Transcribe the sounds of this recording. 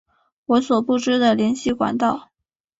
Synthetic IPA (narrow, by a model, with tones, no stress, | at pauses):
wɔ˧˥swɔ˨˩pu˥˩ʈ͡ʂɻ̩˥d̪ə˨ljɛ˧˥nɕi˥˩kwa̰˨˩nt̪ɑ˥˩ʊ